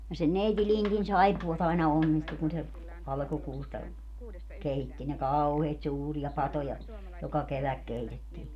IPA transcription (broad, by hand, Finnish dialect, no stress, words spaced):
jɑ sen neiti lintin sɑipːuɑt ɑinɑ onːistu kun se ɑlkukuːstɑ keitːi ne kɑuheːt suːriɑ pɑtojɑ jokɑ keʋæk keitetːiː